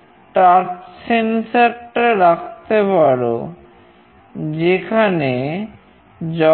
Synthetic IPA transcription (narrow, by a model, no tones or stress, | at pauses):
ʈaɾʈsensaɾʈaɾak̚ʰt̪epaɾo | d͡ʑekʰane | d͡ʑɔ